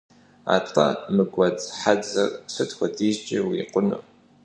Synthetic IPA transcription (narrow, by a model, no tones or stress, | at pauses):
a̰ːtʼɐ̰mɨɡʷɐd͡zħad͡zɨrsɨtxʷɔdʰiʒd͡ʒʼɪwiqʷʊnṵ